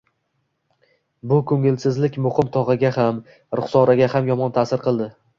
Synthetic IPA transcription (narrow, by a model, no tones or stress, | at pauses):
bʊkʰɵŋɪlsɪzlɪkʲmʊhɪmt̪ʰɒʁɨɡʲaham | ɾʊχsɒɾaɡʲahamjɒmɒnt̪ʰasɪɾqɨlˠd̪ɪ